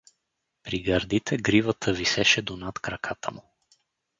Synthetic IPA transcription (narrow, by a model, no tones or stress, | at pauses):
pɾiɡɐɾd̪it̪ʰɛɡɾivət̪ʰəvisɛʃɛd̪onat̪kɾɐkʰat̪ə̰mu